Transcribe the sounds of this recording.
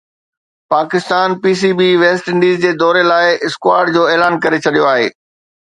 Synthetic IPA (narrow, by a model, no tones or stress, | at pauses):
paːkɪst̪aːnpiːs̬iːbiʋeːsʈɪ̃ɳɖiːzd͡ʑeːd̪ɔːɾelaːɪɪskʊaːɾɖd͡ʑoːeːlaːnkɐɾet͡ɕʰɐɗijoaːɦḛː